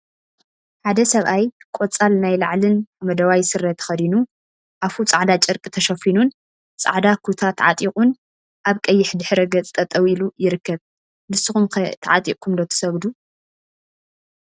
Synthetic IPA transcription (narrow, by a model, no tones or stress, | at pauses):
ħad̪ɐsɐβʔajkʷʼot͡sʼalnajla̰ʕlɨnmɐd̪ɐwajsɨɾːɐt̪ʰɨ̥xɐd̪inu | ʔafut͡sʼaʕd̪at͡ʃʼɨɾkʼɨt̪ʰɐʃɐfinun | t͡sʼa̰ʕd̪akʰut̪ʰat̪ʰʕat̪ʼikʼun | ʔaβkʼɐjːɪħd̪ɨħɾɐɡɐt͡sʼt̪ʰʼːɐt̪ʼɐwilujɪɾɨkːɐβ | bɨsːɨxumkɐt̪ʰaʕat̪ʼḭʔkʰumd̪ɐt̪ʰɨ̥sɐβd̪u